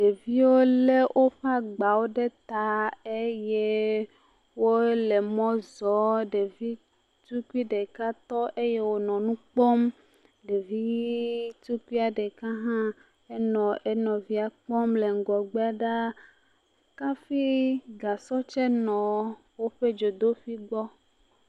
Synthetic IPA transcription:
ɖe˨vi˦wo˦le˦wʔo˦ɸa˦ɡ͡ba˨wo˦ɖe˦t̪a˦e˦je˦ | wo˦le˨mɔ̃˦zɔ˦ɖe˨vi˦ | t̪u˦ku˦i˦ɖe˨ka˦t̪ɔ˦ʔe˦je˦wo˦nɔ̃˨nũ˦k͡pɔ˦m | ɖe˨vi˦t̪u˦ku˦i˦a˨ɖe˨ka˦ɦã˦ | e˦nɔ̃˨ʔe˦nɔ̃˨vi˦a˨k͡pɔ˦mle˨ŋ̩˨ɡɔ˨ɡ͡bɛ˦a˦˨ɖa˦ | ka˦fi˦ɡa˨sɔ˦t͡ʃɛ˦nɔ̃˨ | wo˦ɸe˦d͡ʒo˨d̪o˦fi˦ɡ͡bɔ˦

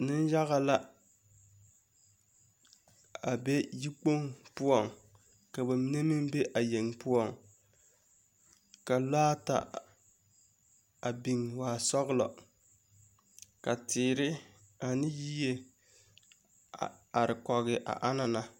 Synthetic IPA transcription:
nɪ˦n˦ja˦ɣa˨la˦ | a˨be˦ji˦k͡po˦ŋpʊ˦ɔ˦˨ŋ | ka˨bɛ˨mi˦ne˦mɪ˦m˦be˦ʔa˨je˨ŋpʊ˦ɔ˦˨ŋ | ka˨laː˦ta̰˨ | a˨bi˨ŋwaː˨sɔ˦ɣɪ˦lɔ̰˨ | ka˨tɪː˨ɾɪ˦ | a˨nɪ˦ji˦je˨ | a˨ɾɪ˨kɔ˨ɣɪ˨ʔa̰˨ʔa˦na˨na˨

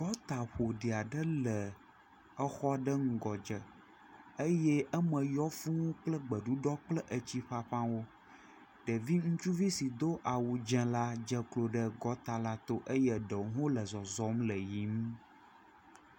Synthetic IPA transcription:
ɡɔ˦t̪a˨ɸo˨ɖi˨a˨ɖə˦lə˨ | ə˦xɔ˦ɖə˦ŋ̩˨ɡɔ˨d͡ʒə˨ | ə˦jɛ˦ʔə˦mə̃˨jɔ˦fũ˦wũ˦k͡plə˦ɡ͡bə˨ɖu˦ɖɔ˦k͡plə˦ʔə˨t͡ɕi˦ɸa˦ɸã˦wo˦ | ɖ̥ə˨vi˦ŋũ˦t͡ʃu˦vi˦si˨d̪o˦ʔa˨wu˨d͡ʒɛ̃˦la˦d͡ʒə˦klo˨ɖə˦ɡɔ˦t̪a˨la˦t̪o˦ʔə˦jɛ˦ɖə˨wɦõ˦lə˨zɔ˨zɔ˦mlə˨ji˨˦m˦

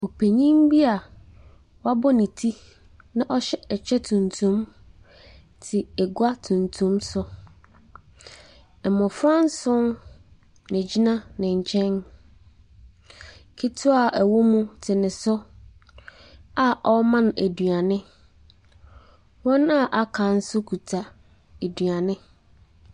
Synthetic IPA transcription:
o˨pʰe˨ɲĩ˦mbi˦a˨ | wɔ˦a˦bɔ˦nĩ˨tʰi˦ | nã˦ʔɔ˦ɕɛ˦ɛ˨t͡ɕʰᶣɛ˦tʰũ˨ntʰũ˦m | tʰɪ˨ɛ˨ɡa˦tʰũ˨ntʰũ˦msʊ˦ | ɛ˨mʊ̃˨fɾã˦n˦sʊ̃˦n | nɪ̃˨d͡ʑi˦nã˦nɪ̃˨ɲ̩˨t͡ɕʰɛ̃˦n | kʰi˦tʰʊ˦a˨ʔæ˨wo˦mũ˦tʰɪ˨nɪ̃˨sʊ˦ | a˨ʔɔ˦mã˦n˨æ˨dɥa˨nɪ̃˦ | wɔ̃˦na˦˨ʔa˨kʰã˨n̩˦sʊ˦kʰu˨tʰa˨ | æ˨dɥa˨nɪ̃˦

